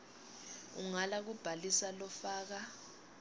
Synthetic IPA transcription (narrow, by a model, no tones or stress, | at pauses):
ṵŋalak̬ub̥ʱalisalɔfaːk̬a